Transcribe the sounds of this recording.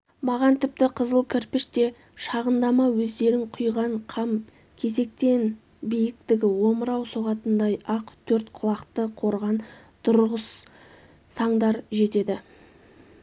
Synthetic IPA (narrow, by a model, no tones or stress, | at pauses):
mɑʁɑnt̪ʰɪp̚t̪ɪqʰəzəlˠkʲʰɪɾpɪʃt̪e̞ | ʃɑʁənd̪ɑmɑwɵzd̪e̞ɾɪŋqʰʊjʁɑɴqʰɑm | kʲʰe̞ze̞k̚t̪e̞n | bijɪk̚t̪ɪɡʲɪwo̞məɾɑwsoʁɑt̪ənd̪ɑjɑqt̪ʰɵɾt̪qʰʊlˠɑqt̪əqʰo̞ɾʁɑn | t̪ʰʊɾʁəsː | ɑɴd̪ɑɾʒe̞t̪e̞d̪ɪ